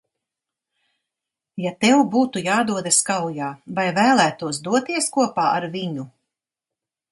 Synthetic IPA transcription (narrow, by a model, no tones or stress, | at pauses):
jat̪ɛwbuːt̪ujaːd̪uɔd̪askawjaːvajvæːlˠæːt̪uɔsd̪uɔt̪iɛskuɔpaːaɾviɲu